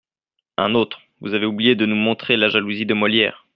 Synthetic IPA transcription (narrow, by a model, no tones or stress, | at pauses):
ɛ̰̃not̪χ | vuzaveublijed̪ənumɔ̃t̪χelaʒaluzid̪əmɔljɛ̰ːʁ